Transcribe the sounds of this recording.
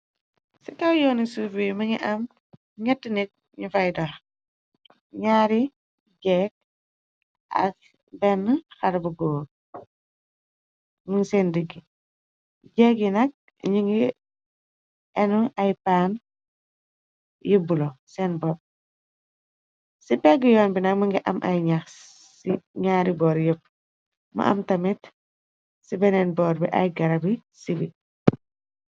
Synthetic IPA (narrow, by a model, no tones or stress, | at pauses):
sɛkɐwjɔːnisufimɐŋḭʔɐm | ɲɛtːinik̚ | ɲufajdax | ɲaːɾi | ɟɛk̚ | ʔɐ̰s | bɛnːəxɐɾbɐɡoːɾ | muŋsɛːndəɡːi | ɟɛkjinɐk̚ | ɲiŋɡi | ɛnuajpaːn | jibulosɛːnbɔp̚ | sipɛɡijɔːnbinakmuŋɡiʔɐ̰mʔajɲaxs | siɲaːɾibɔːɾjəp̚ | ma̰ʔa̰mtɐmit | sibɛnɛnbɔːɾbiʔa̰jɡɐɾabisibi